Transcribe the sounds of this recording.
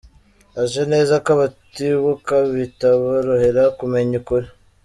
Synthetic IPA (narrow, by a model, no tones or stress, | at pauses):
aʒene̞ːzakaβatiβukaβitaβaɾohe̞ɾakume̞ɲikuɾe